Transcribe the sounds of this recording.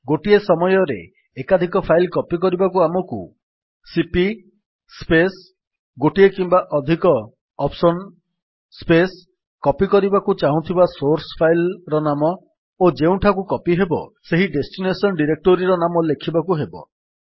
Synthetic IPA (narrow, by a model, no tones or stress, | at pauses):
ɡoʈiesɔmɔjɔɾḛː | kad̪ʱikɔpʰailkɔpik̬ɔɾibakuamɔkṵ | sipi | spes | ɡoʈiekimbaʔɔd̪ʱikɔ | ɔpsɔn | spes | kɔpikɔɾibakut͡ʃaɦũt̪ʰibasoɾsɔ̥pʰajlɾɔnamɔ | od͡ʒeũʈʰakukɔpiɦebɔ̰seɦiɖesʈinesɔnɖiɾek̚ʈoɾiɾɔnamɔlekʰibakuɦebɔ̰